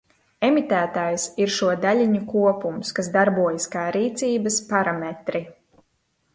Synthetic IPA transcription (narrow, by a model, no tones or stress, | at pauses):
emit̪æːt̪aːjsiɾʃuɔd̪alʲiɲukuɔpumskasd̪aɾbuɔjaskaːɾiːt̪siːbɐspaɾamɛt̪ɾi